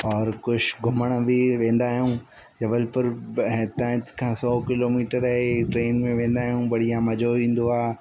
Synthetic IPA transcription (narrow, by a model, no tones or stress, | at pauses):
ɔːɾkʊʃɡʱʊməɽ̃bɪʋẽːnd̪aːɦijũː | d͡ʑɐʋəlpʊɾɦɛ̃t̪ɐ̃ɦt̪kʰãsɔːkɪloːmiːʈəɾəɦeʈɾeːnmẽʋẽːn̆d̪aːɦijũbɐɽ̤ijãmɐd͡ʑʱoʋĩːn̆d̪oaː